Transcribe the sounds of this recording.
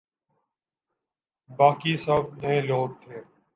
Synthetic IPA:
baːkiːsəb̚neẽloːɡ̚t̪ʰeː

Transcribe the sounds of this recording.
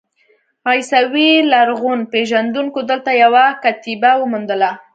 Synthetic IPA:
ɑjsawilaɾɣunpeʒand̪uŋkod̪əlt̪ajawakat̪ibawəmund̪əla

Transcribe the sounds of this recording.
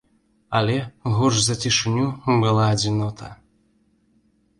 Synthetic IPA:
ɐlʲɛɣɔʐzɐt͡sʲiʂɨnʲubɨlˠaːd͡zʲinɔt̪ʰɐ̰

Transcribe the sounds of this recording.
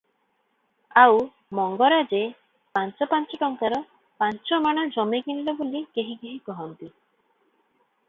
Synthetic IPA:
aw | mɔŋɡɔɾad͡ʒe | pant͡ʃɔpant͡ʃɔʈɔŋkaɾɔ | pant͡ʃɔmaɽ̃ad͡ʒɔmeɡinɖɔbulikeɦikeɦikɔɦɔnt̪i

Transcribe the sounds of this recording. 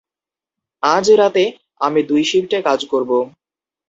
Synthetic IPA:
ad͡ʑɾat̪e | amid̪ujʃibʈakad͡ʑkoɾbo

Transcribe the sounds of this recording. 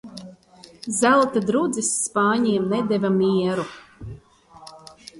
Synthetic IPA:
zælˠt̪ad̪ɾud̪zisːpaːɲiɛmnɛd̪ɛvamʲiɛɾu

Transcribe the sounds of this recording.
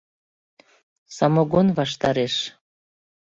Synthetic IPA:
sɑmoɣonβɑʃ̬t̪ɑɾeʃ

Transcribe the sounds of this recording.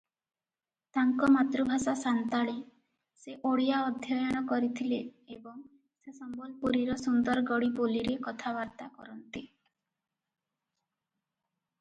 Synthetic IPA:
t̪aŋkɔmat̪ɾubʱasasant̪aɭe | seʔoɽijaɔd̪ʱjɔjɔɽ̃ɔkɔɾit̪ʰileːbɔŋ | sesɔmbɔlpuɾiɾɔsund̪ɔɾɡɔɽiboliɾekɔt̪ʰabaɾt̪akɔɾɔnt̪i

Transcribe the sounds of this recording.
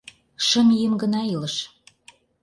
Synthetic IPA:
ʃə̆mjəmɡə̆nɑiləʃ

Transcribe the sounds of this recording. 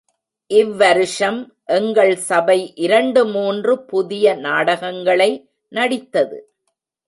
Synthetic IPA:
ʔɪʋːɐɾɯʂɐm | ʔɛŋɡɐɭsɐbɐɪʔɪɾɐɳɖɯmuːndrɯpʊðɪjɐnaːɽɐɣɐŋɡɐɭɐɪ | nɐɽɪt̪ːɐðɯ̰

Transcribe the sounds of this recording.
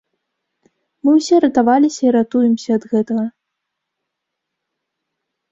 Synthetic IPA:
mɨwsʲɛɾɐt̪avalʲisʲɐiɾat̪ujɛmsʲɐːd̪ɣɛt̪ɐɣɐ

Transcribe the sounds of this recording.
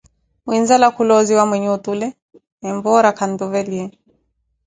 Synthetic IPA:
winzalakulɔziwamwɛɲɛutulɛ | ɛmbɔɾakʰandɔvɛliɛ

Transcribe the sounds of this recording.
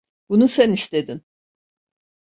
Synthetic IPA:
b̥unusænist̪ʰed̪in

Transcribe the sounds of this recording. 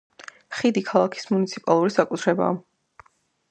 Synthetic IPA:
χid̪ikʰalˠakʰi̥smunit̪sʰipʼalˠuɾisakʼut̪ʰɾɛba̰ː

